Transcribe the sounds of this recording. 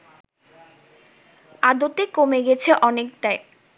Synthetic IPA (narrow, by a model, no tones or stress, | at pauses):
ad̪ot̪ekomeɡɛt͡ɕʰeʔɔnekʈae